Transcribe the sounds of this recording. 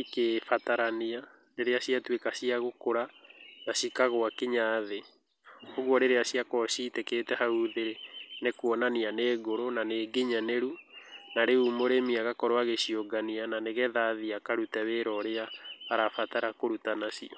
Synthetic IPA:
ikefataɾania | neɾeasiatwekasiaɣokoɾanasikaɣoakeɲaːðe | oɣwɔɾeɾeasiakɔsiteketɛhauðeɾenekuɔnanianeːɣoɾonaneːɡeɲaneɾunaɾeumoɾemiaɣakɔɾoaɣeʃioɡaniananeɣɛðaðiakaɾutɛweɾɔɾeahaɾafataɾakoɾutanasḭɔ

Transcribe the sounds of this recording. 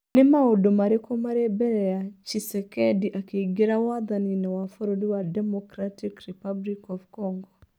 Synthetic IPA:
nemaodomaɾekomaɾebɛɾɛjat͡ʃisɛkɛdiʔakeɡeɾawaðaninɛwafoɾodiwadɛmɔkɾatikɾipablikɔvkɔŋɡɔ

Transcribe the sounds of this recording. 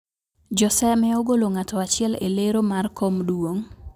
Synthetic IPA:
d͡ʒɔsɛmɛoɡoloŋatɔat͡ʃɪɛlḛleɾomarkomdwoŋ

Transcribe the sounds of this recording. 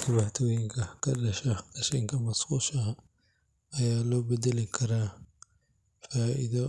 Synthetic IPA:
kʰɐβaħt̪ʰɔwjɪŋkʰɐkʰɐɗɐʃɐk̪ɐʃɛŋkʰɐmɐsquːʃɐɦɐ | ɐjaːlɔːbɛd̪ɛlɪkʰɐɾaː | faːʔḭðɐ

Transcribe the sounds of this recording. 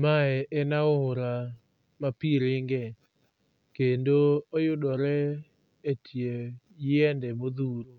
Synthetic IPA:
maɛʔɛnaoɾa | mapiɾɪŋɡɛ | kendoojʊdɔɾɛ | etʰje | jɛndɛmoðuɾo

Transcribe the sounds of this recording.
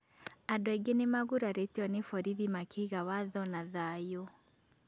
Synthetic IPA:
adɔeɡenemaɣuɾaɾeteɔnefɔɾiðimakiɣawaðɔnaðajo

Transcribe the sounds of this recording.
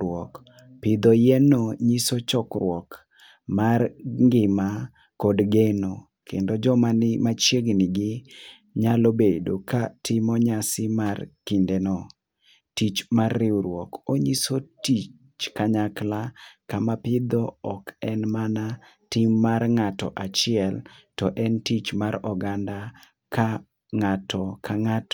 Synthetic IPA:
wɔk | pɪd̪ɔjɛnoɲisot͡ʃɔkɾwɔk | marŋɡɪma | kɔdɡeno | kendod͡ʒɔmanɪmat͡ʃjeɡnɪɡɪ | ɲalobedokatʰɪmɔɲasɪmarkindenɔ | tit͡ʃmarːɪuɾwɔkoɲisotit͡ʃ | t͡ʃkaɲaklakamapɪd̪ɔɔkɛnmana | tɪmːarŋatɔ̰ʔat͡ʃɪɛltɔʔɛntit͡ʃmaɾɔɡanda | ka | ŋatɔkʰaŋat

